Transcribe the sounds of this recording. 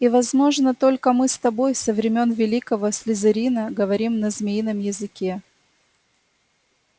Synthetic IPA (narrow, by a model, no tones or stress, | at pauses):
ivɐzmo̞ʐnət̪o̞lʲkəmɨst̪ɐbo̞jsəvɾʲɪmʲo̞nvʲɪlʲikəvəsʲlʲɪzɨɾʲinəɡəvɐɾʲimnəzʲmʲejnəmjɪzɨkʲe